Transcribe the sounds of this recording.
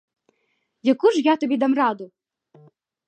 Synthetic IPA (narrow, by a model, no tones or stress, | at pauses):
jɐkuʒjat̪ɔbʲid̪ɑmrɑd̪ʊ